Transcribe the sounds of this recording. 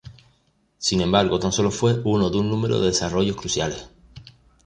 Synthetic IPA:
sinẽ̞mbaɾɣo̞t̪anso̞lo̞fwe̞unoðunːũme̞ɾo̰ðe̞ðesaro̞ʝo̞hkɾusjale̞h

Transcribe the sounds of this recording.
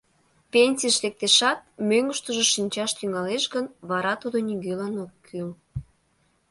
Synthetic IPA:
pʲenʲsiəʃlek̚t̪eʃɑt̪̚møŋɡəʃt̪əʒoʃinʲt͡ɕɑʃt̪yŋɑleʃɡənβɑɾɑt̪ud̪oniɡølɑnokːʰyl

